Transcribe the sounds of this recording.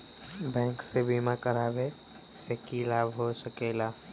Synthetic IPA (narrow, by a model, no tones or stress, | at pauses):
bɛ̃ːŋksebimãkəɾaːbe | sekilaːbɦosəkeːlaː